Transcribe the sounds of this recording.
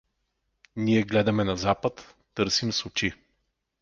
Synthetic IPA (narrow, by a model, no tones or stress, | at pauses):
niɛɡlɛd̪ɐmɛnɐzapət̪ː | ɤɾsimsʊt͡ʃi